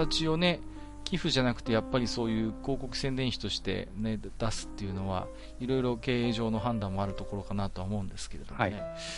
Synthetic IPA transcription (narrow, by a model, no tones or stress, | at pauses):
at͡ɕio̞ne̞ | kʲiɸɯ̟ʑanakɯ̟̥t̪e̞japːaɾʲiso̞ːjɯ̟ːko̞ːko̞kɯ̟sẽnd̪ẽ̞ɰ̃ɕi̥t̪o̞ɕi̥t̪e̞̰ned̪̥asɨ̥t̪ːe̞jɯ̟no̞βa̰ | iɾo̞iɾo̞ke̞ːeːʑo̞ːno̞ɦãnd̪ãmːo̞aɾɯ̟t̪o̞ko̞ɾo̞kanat̪oaomo̞ɯ̟̃nd̪e̞sɨ̥ke̞ɾe̞d̪o̞ne